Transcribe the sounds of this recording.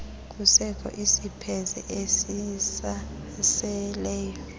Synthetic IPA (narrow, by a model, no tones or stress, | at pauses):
k̬ʼusɛkʰɔ̰ʔisipʰɛzɛ̰ʔesisa | sɛlɛːjɔ